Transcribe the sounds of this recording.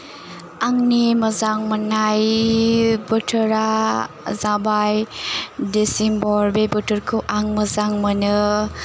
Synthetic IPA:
aŋnimɐzaŋmɐnaj | bɯtʰɯɾa | zabajdesiŋbɔɾbebətʰɯɾkʰɯwʔaŋmɐzaŋmɯnɯ

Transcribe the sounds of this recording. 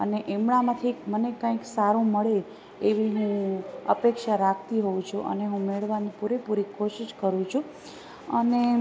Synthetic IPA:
əneʔemɽamãt̪ʰimənekãiksaɾũməɭeː | ʋiɦũə̰pekʃaɾakʰt̪iɦoũt͡ʃʰuʔə̰neɦũmeɭʋanipuɾepuɾikoʃiʃkəɾũt͡ʃʰũ | əne

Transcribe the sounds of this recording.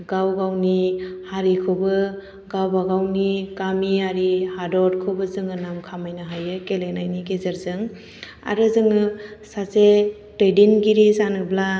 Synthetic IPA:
ɡawɡawnihaɾikʰobɯ | ɡawbaɡawnikamiaɾihadɔɾkʰobɯzɯŋɯnamkʰamajnaɦajɯkelenajnikezeɾzɯŋ | a̰ɾɯzɯŋɯsaze | tejdinɡiɾizanɯbla

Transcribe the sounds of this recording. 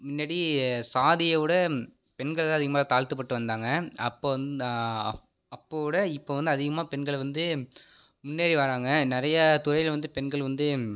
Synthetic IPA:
mɪnːaːɽisaːðɪjɐʋɯɽɐ | pɛnɡɐɭðãːɐðɪɣɐmaːt̪aːlt̪ɯpːɐʈːɯʋɐnd̪aːŋɡɐɐpːoː | ɐpːoːʋɯɽɐɪpːoːʋɐnd̪ɯɐðɪɣɐmaːpɛnɡɐɭʋɐnd̪ɯ | mʊnːeːɾiʋaːɾaːŋɡɐnɪɾɐjɐt̪ʊɾɐjɪlʋɐnd̪ɯpɛnɡɐɭʋɐnd̪ɯ

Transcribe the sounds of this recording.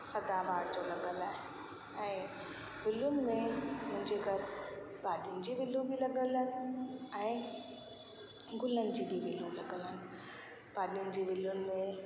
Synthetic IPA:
sɐd̪abaːɽd͡ʑolɐɠəlaːɦe | ɛ̃ː | bɪlʊnɪ̆mẽmʊ̃ɦɪ̃ɲd͡ʑeɡɐɾ | baːɗiʊnɪ̆d͡ʑiːʋɪlːũbʱilɐɠələnɪɛ̃ː | ɡʱʊlənɪ̆d͡ʑibibɪlũlɐɠələnɪ̆ | baːɗijʊnɪ̆d͡ʑiːʋɪlʊnɪ̆mẽ

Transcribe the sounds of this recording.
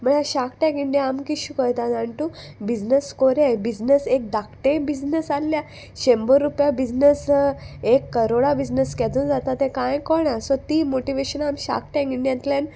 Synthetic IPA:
m̤əɳaɕakʈɛ̃kiɳɖjeamkiɕukəjt̪at̪aɳʈu | bid͡ʑnəskoɾebid͡znəsek̚d̪akʈẽbid͡znəsalːja | ɕembəɾːupjabid͡znəsekːəɾoɽabid͡znəskɛt̪und͡zat̪at̪ẽkãjkɔɳasɔt̪imoʈiʋeɕənamɕa̰k̚ʈɛ̃kiɳɖjãnt̪ljãn

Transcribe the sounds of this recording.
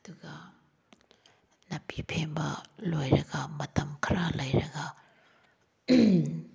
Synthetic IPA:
ɐduɡɐ | nɐpipʰembɐlojɾɐɡɐmɐtɐmkʰɐɾalɐjɾɐɡɐ

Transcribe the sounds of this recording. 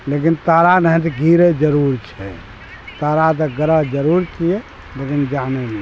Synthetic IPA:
lek̬int̪aɾanəɦɛ̃t̪̬iɡʱiɾed͡ʒəɾuɾt͡ʃʰɛ̰ | t̪aɾat̪̬əɡəɾəɦd͡ʒəɾuɾt͡ʃijɛ | lekind͡ʒanene

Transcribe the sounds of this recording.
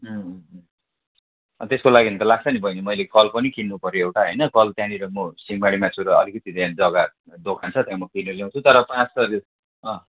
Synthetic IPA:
ɦʌ | ʌ̰t̪eskolaɡint̪ʌlaɡ̚t͡sʰʌnibʱʌjnimʌjlekʌlpʌnikʰinːupʌɾjoewʈaɦʌjnʌkʌlt̪jãniɾʌmosimbaɽimat͡sʰuɾʌʌlikʌt̪it̪ãd͡zʌɡa | d̪okʰant͡sʰʌt̪jãmʌkinʌljaw̃t͡sʰut̪ʌɾʌpãt͡stʌɾi | ʌ̃

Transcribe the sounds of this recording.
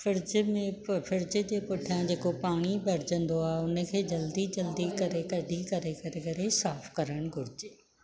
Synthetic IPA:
fɪɾd͡ʑmẽfɪɾd͡ʑɪd͡ʑeːpʊʈʰijãd͡ʑeːkopaːɽ̃ibɐɾɪd͡ʑə̃nd̪oaːɦʊnə̆kʰeːd͡ʑɐld̪id͡ʑɐld̪ikɐɾekɐɖikɐɾekɐɾekɐɾesaːfkɐɾəɽ̃ɡʱʊɾɪd͡ʑeː

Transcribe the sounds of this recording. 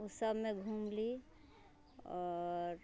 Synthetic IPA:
usəbmeɡʱumli | ɔɾ

